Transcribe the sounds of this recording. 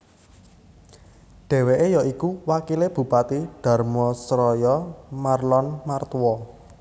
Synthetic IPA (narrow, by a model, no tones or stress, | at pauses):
ɖ̥e̤weʔejɔikuwakileb̥ṳpat̪iɖ̥ä̤rmɔsɾɔjɔmarlɔnmart̪wɔ